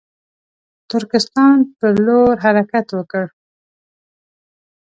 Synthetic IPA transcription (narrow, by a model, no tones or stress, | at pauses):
t̪ʊɾkɪst̪ɑnpəloɾɦaɾakat̪wəkəɽ